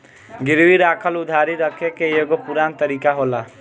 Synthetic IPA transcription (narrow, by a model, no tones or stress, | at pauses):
ɡɪɾʋiɾaːkʰəlud̪ʱaɾiɾəkʰekejoɡopuɾant̪əɾikaɦola